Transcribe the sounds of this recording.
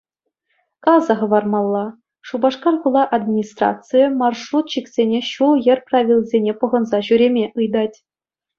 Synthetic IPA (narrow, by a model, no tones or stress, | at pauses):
kɑzɑχɤ̆ʋɑrmɑlˠːɑ | ʂubɑʂkɑrkulˠɑʔad̪mʲinʲist̪rɑ̰t̪t͡sɨjəmɑrʂrut̪ɕiksʲenʲeɕulˠjɘ̆rʲpravʲilʲˠzʲenʲepɤ̆ʁɤ̆nzɑɕyɾʲemʲeʔɯjd̪ɑtʲ